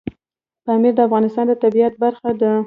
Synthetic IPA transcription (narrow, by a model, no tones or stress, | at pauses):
pɑmiɾd̪əafɣɑnɪst̪ɑnd̪ət̪abiat̪̚baɾxad̪ə